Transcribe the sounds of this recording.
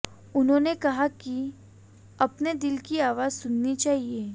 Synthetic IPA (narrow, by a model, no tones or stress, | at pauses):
ʊnɦõːnekɐɦaki | ɐpned̪ɪlkiaːʋaːzsʊnːit͡ʃaːɦieː